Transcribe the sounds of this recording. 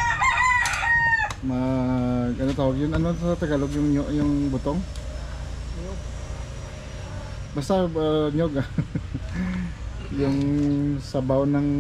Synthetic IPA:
mɐɡʔɐnot̪aːwaɡjʊnɐnoat̪ɐɡaloɡjʊŋoʔjʊŋbʊt̪oŋ | bast̪aaɲoɡa | jʊŋsɐbawnɐŋ

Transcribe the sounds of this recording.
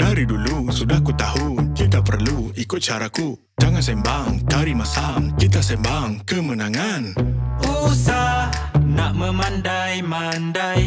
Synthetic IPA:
daɾidulusudahkut̪aɦʊnkit̪apərluikʊt̪̚t͡ʃaɾaku | d͡ʒaŋans̬ɛmbaŋkaɾimasaŋkit̪̬asɛmbaŋkəmənaŋanusah | naʔməmandajmandaj

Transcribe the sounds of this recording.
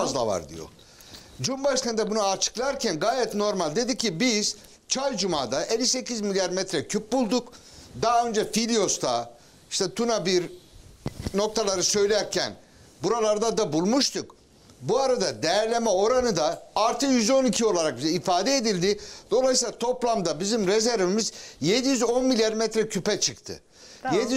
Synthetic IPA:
azlˠava̰ɾd̪ḭjo̰ | d͡ʒumbaʃk̪ʰand̪ɛbunaat͡ʃʰɯ̥klˠaɾcʰænɡaːjɛt̪no̞ɾmalʲd̪e̞d̪icʰːibiz̥ | t͡ʃʰajd͡ʒumaːd̪aʔelʲːise̞cizmilʲjaɾmɛt̪ɾɛcʰyp̚bulˠd̪uk | d̪aɦaø̞nd͡ʒɛfilʲijo̞st̪ʰa | iʃt̪ʰɛt̪ʰunabiɾ | no̞k̚t̪ʰalˠaɾɯsø̞jlʲæɾcʰæ̰n | buɾalˠaɾd̪ad̪abulˠmuʃt̪ʰuk | buaɾad̪ad̪ejæɾlʲe̞mɛo̞ɾanɯd̪aːɾt̪ʰɯkjyzo̞nicʰio̞lˠaɾak̚bizifaːd̪ɛed̪ilʲd̪ɪd̪o̞lˠajɯsilˠat̪ʰo̞plˠamd̪abizimɾezæɾvimizje̞d̪ijyzo̞nmilʲijaɾmɛt̪ɾɛcʰypɛt͡ʃʰɯkt̪ʰɯ̰ | jed̪i

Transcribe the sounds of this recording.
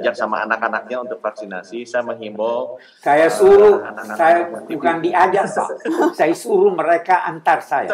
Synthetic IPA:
d͡ʒaksama̰a̰nakanak̚ɲaunt̪ʊk̚faksina̰sisajaməŋɦimbɔl | sajasuɾusajabukandiad͡ʒaŋpa̰saisuɾuməɾekaʔa̰nt̪arsaja̰

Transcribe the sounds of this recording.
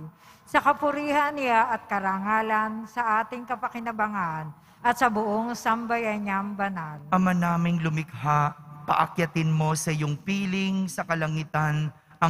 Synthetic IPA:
sɐkɐpʊɾiːhɐnːɪaʔɐt̪̚kɐɾaŋaːlɐnsɐʔaːt̪ɪŋkɐpɐkɪnɐbɐŋan | ʔɐt̪̚sɐbʊʔoŋsɐmbɐjaɲɐŋbɐnalʔɐmanaːmɪŋlʊmɪɡhaʔpɐ̰ʔɐkjɐt̪ɪnmo̞sɐjoŋpiːlɪŋsɐkɐlɐŋit̪an | ʔɐ

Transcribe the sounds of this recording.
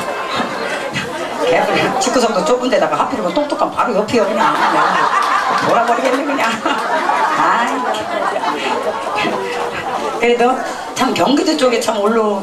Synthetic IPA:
keɡɯnt͡ɕʰik͈us̬ʰʌŋdot͡ɕ͈ok͈undedaɡahapʰiɾoɡot͈okt͈ok͈anpaɾojʌpʰiʌɡɯɲaama | moɾabʌɾiɡenːeɡɯɲa | a | kɯɾedo | t͡ɕʰamkjʌŋɡidɯt͡ɕ͈oɡet͡ɕʰamoɭːo

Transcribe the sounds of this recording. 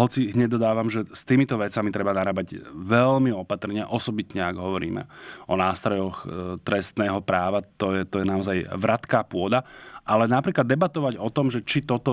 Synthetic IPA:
ɦɔt͡siɦɲɛɟd̪ɔd̪aːʋamʒɛst̪iːmit̪ɔʋɛt͡samit̪ɾɛbanaɾaːbaɟʋɛlmiɔpat̪r̩ɲɪa̰ʔɔsɔbit̪ɲɛaɡɦɔʋɔɾḭːmɛ̰ɔnaːst̪ɾɔjɔxt̪ɾɛst̪nɛːɦɔpɾaːʋat̪ɔjɛt̪ɔjɛnaɔzajʋɾat̪kaːpʊɔd̪aʔalɛnapɾiːklad̪ːɛbat̪ɔʋaɟɔt̪ɔmʒɛt͡ʃit̪ɔt̪ɔ

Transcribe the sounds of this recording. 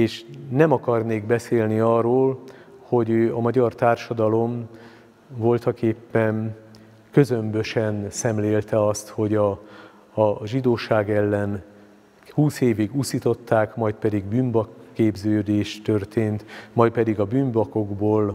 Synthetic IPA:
eːʃnɛmɒkɒrneːɡbɛseːlniɒːroːlho̞ɟøːɒmɒɟɒrt̪aːrʃɒd̪ɒlo̞m | vo̞lt̪ɒkeːpːɛn | kø̞zømbø̞ʃɛnsɛmleːlt̪ɛɒst̪ho̞ɟɒː | ʒid̪oːʃaːɡɛlːɛn | huːseːviɡusit̪o̞t̪ːaːkmɒjt̪pɛd̪iɡbyːmbɒkːeːbzøːd̪eːʃt̪ø̞rt̪eːnt̪mɒjt̪̚pɛd̪iɡɒbyːmbɒko̞ɡboːl

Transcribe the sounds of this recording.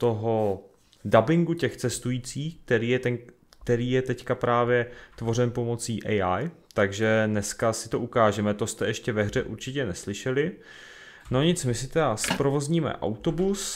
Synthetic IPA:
t̪o̞ɦo̞ | dabɪŋɡucɛxt͡sɛst̪ujiːt͡siːxk̚t̪ɛɾiːjɛt̪ɛŋ | k̚t̪ɛɾiːjɛt̪ɛckapɾaːvjɛt̪vo̞r̝ɛnpo̞mo̞t͡siːʔɛjʔaj | t̪aɡʒɛnɛskasɪt̪o̞ʔukaːʒɛmɛt̪ost̪ɛʔɛʃcɛvɛɦr̝ɛʔuɾt͡ʃɪcɛnɛslɪʃɛlɪ | no̞ɲɪt͡smɪsɪt̪ɛdaspɾovo̞zɲiːmɛ̰ʔa̰wt̪o̞bus

